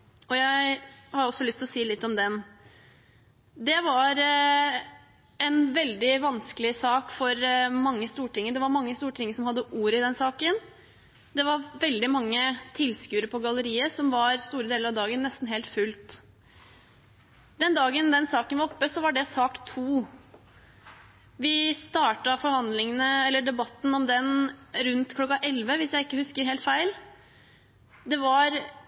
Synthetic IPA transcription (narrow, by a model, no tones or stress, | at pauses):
ɔjæɪɪhɑɾɔsːɔlʏst̪ɪlɔsiːlɪt̪ːɔmd̪ɛn | d̪ɛʋɑɾ | ɛnʋɛld̪ɪʋɑnskəlɪsɑːkfɔɾmɑŋːəst̪uːʈɪŋːəd̪ɛʋɑɾmɑŋːəst̪uːʈʰɪŋːəsɔmhɑd̪ːəʔuːɾɪd̪ɛnsɑːkən | d̪ɛʋɑɾʋɛld̪ɪmɑŋːət̪ʰɪlskʉːɾəpʰɔɡɑləɾiːəsɔmʋɑɾst̪uːɾəd̪eːləɾɑʋd̪ɑːɡənːɛst̪n̩ɦeːlt̪fʉlt̪ | d̪ɛnd̪ɑːɡənd̪ɛnsɑːkənʋɑɾɔpːəsɔʋɑɖɛsɑːkt̪ʰuː | ʋɪst̪ɑːʈɑfɔɾhɑnd̪lɪŋənəɛlːəɖɛbɑt̪ːn̩ɔmd̪ɛnɾʉnt̪kʰlɔkːɑʔɛlʋəʋɪsjæɪɪkːəhʉskəɾɦeːlt̪fæɪl | d̪ɛʋɑɾ